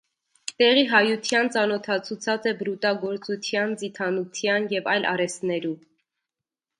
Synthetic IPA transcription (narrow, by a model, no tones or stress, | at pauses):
t̪ɛʁiɦɑjut̪ʰjɑnt͡sɑnɔt̪ʰɑt͡sʰut͡sʰɑt͡sɛbɾut̪ɑɡɔɾt͡sut̪ʰjɑnd͡zit̪ʰɑnut̪ʰjɑnjɛvɑjlʔɑ̰ɾɛst̪nɛɾu